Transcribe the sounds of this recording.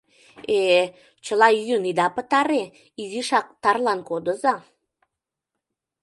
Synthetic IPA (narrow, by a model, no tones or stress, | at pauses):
e | t͡ɕəlɑjyjənid̪ɑpət̪ɑɾe | iziʃɑk̚t̪ɑrlɑnkod̪ə̆zɑ